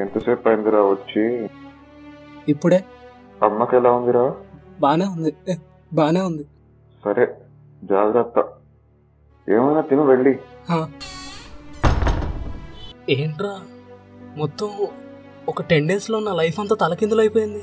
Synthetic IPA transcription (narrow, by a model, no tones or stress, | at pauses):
ent̪ɐseːpɐjnd̪iɾaːʋɐt͡ʃːi | ipːuɽe̞ː | ɐmːɐkɛlaːund̪iɾaːbaːnaːund̪i | baːnaːund̪i | sɐɾʔe | d͡ʒaːɡɾɐt̪ːɐ | eːmɐjnaːt̪inuʋeɭːihaː | eːɳʈɾaː | mɔt̪ːɐm | ɔkɐʈe̞ɳɖeːslo̞ːnaːlɐjfɐnt̪aːt̪ɐlɐkind̪ulɐjpoːjind̪i